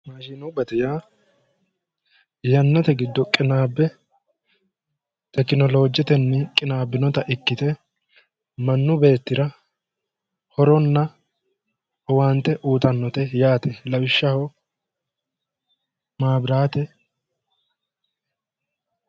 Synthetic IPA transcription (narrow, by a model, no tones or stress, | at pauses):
maːʃɪnʊbɛt̪ɛjaː | jɐnːɔt̪ɛɡɪd̪ːɔkʼɪnaːbːɛ | t̪ɛkɪnɔlo̞ːd͡ʒɛt̪ɛnːɪkʼɪnaːbːɪnɔt̪ɐʔɪkːɪt̪ɛ | mɐnːʊbe̞ːt̪ːɪɾɐ | hɔɾɔnːɐ | waːnt̪ːɛʔuːt̪ɐnːɔt̪ɛjaːt̪ɛlɐwɪʃːɐhɔ | maːbɾaːt̪ɛ